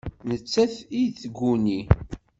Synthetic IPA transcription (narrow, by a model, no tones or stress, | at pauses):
nət͡sːæθiθəɡʷːuni